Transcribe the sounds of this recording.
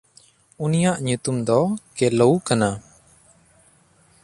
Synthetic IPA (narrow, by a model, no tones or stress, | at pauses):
unijaʔɲut̪umd̪ɔkɛloukana